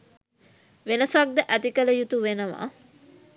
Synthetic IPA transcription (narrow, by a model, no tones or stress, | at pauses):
ʋenəsak̚d̪əʔæt̪ikələjut̪uʋenəʋa̰ː